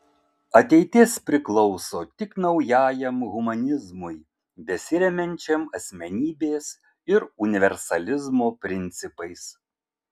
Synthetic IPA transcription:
ɐt̪ʲɛɪt̪ʲɪspʲɾʲɪklˠɒʊsoːt̪ʲɪknɐʊjæːjɛmɣʊmɐnʲɪzmʊɪ | bʲɛsʲɪɾʲɛmʲɛnʲt͡ʃʲɛmɐsʲmʲɛnʲiːbʲeːs | ɪɾʊnʲɪʋʲɛɾsɐlʲɪzmoːpʲɾʲɪnʲt̪sʲɪpɐɪs

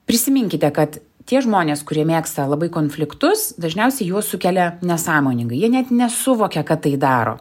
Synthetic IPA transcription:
pʲɾʲɪsʲɪmʲɪŋʲkʲɪt̪ʲɛkɐt̪ | tʲiɛʒmoːnʲeːskʊɾʲiɛmʲeːkst̪ɐlˠɐbɐɪkoːnfʲlʲɪkt̪ʊsd̪ɐʒʲnʲɛʊsʲɛɪjuɔsʊkʲɛlʲɛnʲɛsɑːmoːnʲɪŋɡɐɪjiɛnʲɛt̪nʲɛsʊʋoːkʲɛkɐt̪ːɐɪd̪ɑːɾo̰ː

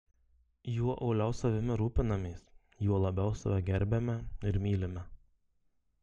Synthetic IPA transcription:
juɔʔɒʊlʲɛʊsɐʋʲɪmʲɪɾuːpʲɪnɐmʲɛɪs | juɔlˠɐbʲɛʊsɐʋʲɛɡʲɛɾʲbʲemʲɛɪɾmʲiːlʲɪmʲɛ

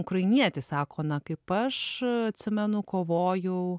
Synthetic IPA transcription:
ʊkɾɐɪnʲiɛt̪ʲɪsɑːkoːnɐkɐɪpɐʃɐt̪ʲsʲɪmʲɛnʊkoːʋoːjʊ

